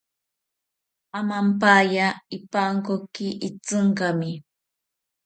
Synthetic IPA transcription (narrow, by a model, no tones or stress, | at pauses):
amampajaɪpaŋkokɪʔɪt͡sɨɴkɑmɪ